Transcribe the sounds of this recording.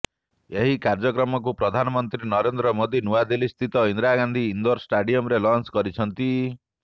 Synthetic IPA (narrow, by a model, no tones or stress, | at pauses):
eɦikaɾd͡ʒɔkɾɔmɔk̬upɾɔd̪ʱanɔmɔnt̪ɾinɔɾend̪ɾɔmod̪inuwad̪ilist̪ʰit̪ɔind̪ɾaɡand̪ʱiːnd̪ɔɾsʈaɖijɔmɾelɔnskɔɾit͡ʃʰɔnt̪i